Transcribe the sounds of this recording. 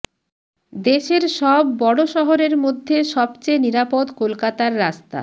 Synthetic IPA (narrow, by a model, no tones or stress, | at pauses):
d̪eʃeɾʃɔbːɔɽoʃɔɦoɾeɾmod̪ʱːeʃɔbt͡ɕeniɾapod̪kolkat̪aɾːast̪a̰